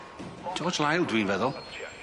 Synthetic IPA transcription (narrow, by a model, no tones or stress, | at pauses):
d͡ʒ̥ɔːd͡ʒlajlˠdwĩːnvɛðəlˠ